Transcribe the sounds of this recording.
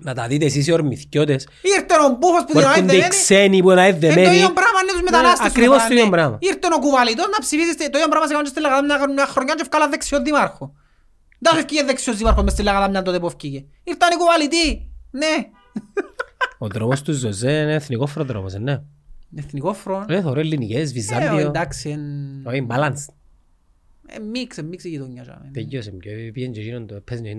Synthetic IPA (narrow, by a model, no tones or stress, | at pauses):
nɐt̪ɐðit̪esis̬ioɾmiθcot̪es | iiɾt̪enombufospuðnaiind̪eekisenipuinaiðːemeniombɾamɐnːet̪uzmet̪alasɐstkɾivost̪oiombɾamɐ̰iiɾt̪enokuvalit̪oznɐpsifisist̪et̪oiombɾamɐsekamont͡ʃest̪ilːeɣaðamɲaaxɾoɲant͡ʃefkalaðːeksioðːimaɾxo | nd̪asofcijeðːeksiozðimaɾxomest̪ilːeɣaðamɲɐnt̪ot̪epofcice | iɾt̪anikuvalit̪ine | ot̪ɾopost̪uzːozeneːθnikofɾoðɾo̰posenːe | eθnikofɾoeθoɾolːinikezvizːand̪iod̪aksienoimbalans | ḛmiksemmiksijit̪oɲːɐt͡ʃɐ̰ment̪ejːosemɟopiend͡ʒeinond̪oepʰːezoin